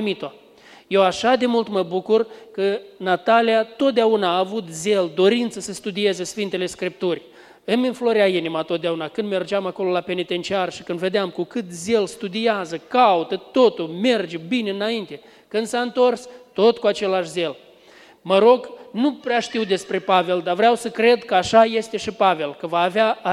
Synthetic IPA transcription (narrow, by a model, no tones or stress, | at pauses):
mit̪o | je̞waʃad̪e̞mult̪məbukurkənat̪alijat̪o̞t̪̚d̪eaunaːvut̪ze̞ld̪o̞ɾint̪səsəst̪ud̪ie̞zəsfint̪e̞le̞skɾip̚t̪urʲ | ɨminflo̞ɾjainimat̪ot̪̚d̪eaunakɨnd̪me̞rd͡ʒeamako̞lo̞lape̞nit̪e̞nt͡ʃiarʃi̥kɨnd̪ve̞d̪eamkukɨt̪zelst̪ud̪iazəkaut̪ət̪o̞t̪ulme̞rd͡ʒebine̞ɨnaint̪e̞ | kɨnd̪saɨnt̪o̞rst̪o̞t̪kuat͡ʃe̞laʃze̞l | məɾo̞ɡnupɾeaʃt̪iwd̪e̞spɾe̞pave̞ld̪avɾeawsəkɾe̞d̪kəaʃaje̞st̪e̞ʃipave̞lkəvaːvea